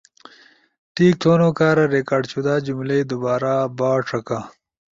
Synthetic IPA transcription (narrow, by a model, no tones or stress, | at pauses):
ʈiːk̚t̪ʰoːnoːkaːɾɐɾekaːɖt͡ɕʰud̪aːd͡ʑumlejd̪ubaːɾaːbaːʈ͡ʂɐka